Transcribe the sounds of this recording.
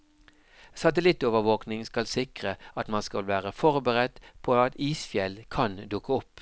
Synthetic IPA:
sɑt̪əlɪt̪oːʋəʁʋoːknɪŋskɑlsɪkʁəɑt̪mɑnskɑlʋæːʁəfɔʁbəʁɛd̪̥pʰoːɑt̪iːsfjɛlkʰɑnd̪ʊkəʊpː

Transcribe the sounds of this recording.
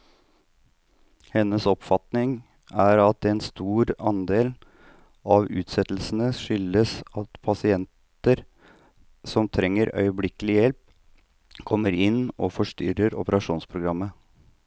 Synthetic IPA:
hɛnːəsɔpfɑt̪nɪŋ | æɾɑt̪̚d̪ɛnst̪uːɾɑnd̪eːl | ɑʋʉːt̪sɛt̪l̩sn̩əʂʏlːəsɑt̪pʰɑsɪɛnt̪ | əɾ | sɔmt̪ʰɾɛŋːəɾœ̰ʏəblɪkəlɪjɛlp̚ | kʰɔmːəɾɪnːɔfɔʂt̪ʏɾəɾɔ̰pəɾɑʂuːnspʰɾʊɡɾɑmːə

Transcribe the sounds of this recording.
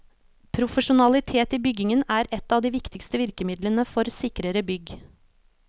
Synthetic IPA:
pʰɾʊfəʂʊnɑlɪt̪ʰeːt̪iːbʏɡɪŋənæːɾɛt̪ːɑːʋd̪iːʋɪkt̪ɪkst̪əʋɪɾkəmɪd̪lənəfɔɾsɪkɾəɾəbʏɡ

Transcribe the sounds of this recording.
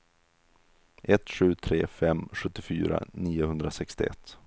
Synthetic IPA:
ʔɛt̪ːɧʉ̟ːt̪ʰɾeːfɛmːɧɵt̪ːɪfyːɾa̰niːʊhɵnd̪ɾasɛkst̪ɪɛ̰t̪ː

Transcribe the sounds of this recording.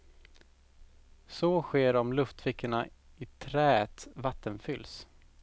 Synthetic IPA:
sɔɧeːɾɔmlɵft̪fɪkʰːəɳaɪt̪ʰɾɛːɛt̪vat̪ːənfʏlːs

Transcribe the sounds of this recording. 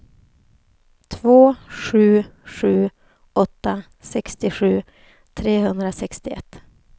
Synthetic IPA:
t̪ʰvoːɧʉ̟ːɧʉ̟ː | ʔɔt̪ːa | sɛkst̪ɪɧʉ̟ː | t̪ʰɾeːhɵnd̪ɾasɛkst̪ɪɛ̰t̪ː

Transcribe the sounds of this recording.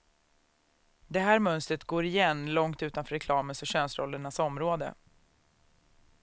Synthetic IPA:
d̪ɛɦæːɾmœnst̪ɾət̪ɡoːɾɪjɛnːlɔŋt̪ʉ̟ːt̪anfœɾːɛkʰlɑːmənsœɕœːnsɾɔ̰lːəɳasɔmɾoːd̪ə̰

